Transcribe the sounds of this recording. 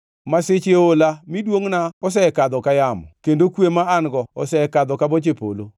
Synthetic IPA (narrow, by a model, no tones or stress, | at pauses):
masɪt͡ʃeolamidwoŋnaɔs̬ɛɛkad̪ɔkajamɔ̰kendokwemaanɡɔɔsɛɛkad̪ɔkabot͡ʃepo̰lo